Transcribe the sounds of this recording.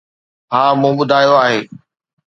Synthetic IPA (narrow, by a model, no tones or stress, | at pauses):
ɦãːmũːɓʊd̪ʱaːjoaːɦeː